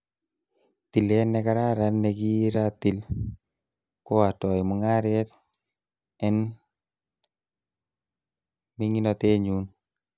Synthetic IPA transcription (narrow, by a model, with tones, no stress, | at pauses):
ti˨lɛ˦nɛka˦ɾa˦ɾa˦nːeki˦ɾati˨l | ko˦a˨tɔ˨jmu˨ŋa˦ɾɛt̪̚ | ɛ˦n | mi˦ŋi˦nɔte˦ɲu˦n